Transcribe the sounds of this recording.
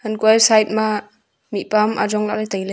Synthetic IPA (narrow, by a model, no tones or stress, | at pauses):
ənkwajsajt̚ma | mipamʔa̰d͡ʒɔŋla̰ʔlajtajla